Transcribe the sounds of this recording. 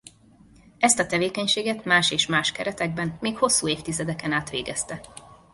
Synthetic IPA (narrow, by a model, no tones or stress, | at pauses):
ɛst̪ɒt̪ɛveːkɛɲʃeːɡɛt̪maːʃeːʃmaːʃkɛɾɛt̪ɛɡ̚bɛnmeːkho̞sːuːeːft̪izɛd̪ɛkɛnaːt̪ʋḛːɡɛst̪ɛ